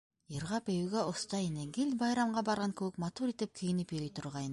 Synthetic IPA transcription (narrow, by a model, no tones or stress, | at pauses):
jiɾʁɑpejuɡʲeost̪ɑjeneɡʲɪlʲbɑjɾɑmʁɑbɑɾʁɑŋkʲʰɵwɪkmɑt̪uɾit̪ep̚kʲʰijɪnɪpeɾejt̪ʰʊɾʁɑjn